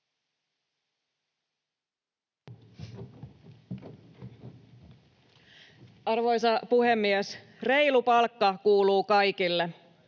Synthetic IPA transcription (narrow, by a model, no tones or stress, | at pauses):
ɑrʋo̞jsɑpuhemːies | re̞jlupɑlkːɑkuːluːkɑjkilːe